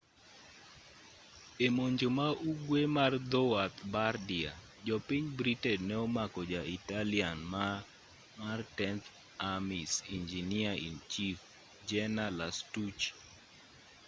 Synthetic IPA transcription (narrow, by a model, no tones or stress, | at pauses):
emoɲd͡ʒomauɡwemard̪ɔwat̪bardia̰ | d͡ʒɔpiɲbɾitɛdnɛɔmakɔd͡ʒaitalianma | martɛnt̪ | amisind͡ʒiniaḭnt͡ʃif | d͡ʒɛnalastut͡ʃ